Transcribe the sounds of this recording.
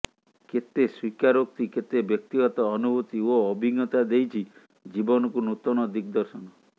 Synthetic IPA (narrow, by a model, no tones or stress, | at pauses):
ket̪eswikaɾok̚t̪iket̪ebjɔk̚t̪iɡɔt̪ɔːnubʱut̪ioɔbʱiɡɔt̪ad̪ejt͡ʃʰi | d͡ʒibɔnɔkunut̪ɔnɔd̪ikd̪ɔɾsɔnɔ